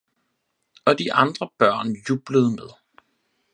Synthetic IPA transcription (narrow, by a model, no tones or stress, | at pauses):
ɒ̽d̥iʔɑ̈nd̥ʁɐb̥ɶɐ̰njuːb̥ləð̞̩ˠmeð̞ˠ